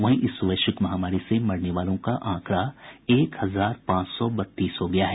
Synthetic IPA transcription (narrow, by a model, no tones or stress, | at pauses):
ʋɐɦĩʔɪsʊʋeːʃəkmɐɦaːmaːɾisemɐɽneʋaːlõkaʔãːkɾaeːkhɐzaːɾpãːt͡ʃsɔbɐt̪ːiːsɦoɡɐjaɦɛ